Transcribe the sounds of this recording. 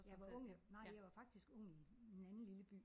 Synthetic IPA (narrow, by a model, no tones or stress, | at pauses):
jɑʋɑ̈ɔ̽ŋ̰nɑ̈ɪ̰jɑ̈ɪʋɑ̈fɑ̈ɡ̥̚d̥isɡ̥ɔ̽ŋ̰i̥enænn̩liləb̥y̰ː